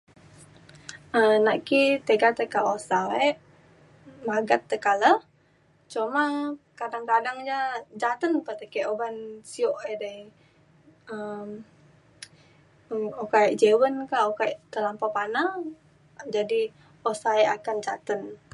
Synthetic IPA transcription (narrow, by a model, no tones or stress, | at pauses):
ənaʔkit̪eɡat̪əkaosaɛʔ | maɡat̪ːəkalə | t͡ʃomakadaŋkadaŋd͡ʒad͡ʒat̪ənpət̪əkɛʔobansioʔedaj | əm | əokaʔd͡ʒewənkaokaʔt̪əlampapana | d͡ʒadi | osaɛʔakand͡ʒat̪ən